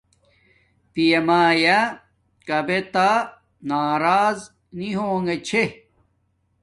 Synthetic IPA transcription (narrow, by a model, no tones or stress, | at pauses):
pijemaːja | kɐbet̪a | naːɾaːz | niɦoːŋɡet͡ɕʰe